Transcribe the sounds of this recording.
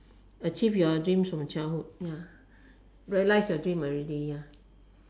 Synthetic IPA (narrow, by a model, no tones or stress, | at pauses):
ət͡ʃivjɔdɹĩmsfɹɔ̃mət͡ʃʰaɦuja | ɹiəlaɪsjɔdɹĩməɹidija